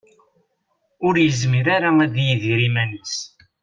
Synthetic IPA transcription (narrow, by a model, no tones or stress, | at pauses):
ʊɾjəzmiɾaɾaæðjəðɾimænəs